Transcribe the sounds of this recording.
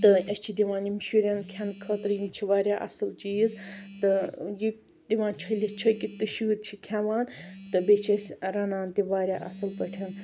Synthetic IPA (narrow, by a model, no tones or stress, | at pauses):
t̪ɨɐsʲt͡ʃʰid̪iʋãːnjimʃuɾʲɐnkʲʰankʰət̪ɾjimt͡ʃʰiʋaːɾʲjaːʔɐ̰sɨlt͡ʃijizt̪ɨji | d̪iʋaːnt͡ʃʰɐlʲit͡ʃʰɐkit̪ɨʃuːt̪̚t͡ʃʰikʲʰaʋaːnt̪ɨbet͡ʃʰɐsʲɾɐnaːnt̪iʋaːɾʲjaːʔɐ̰sɨlpɐʈʰɐn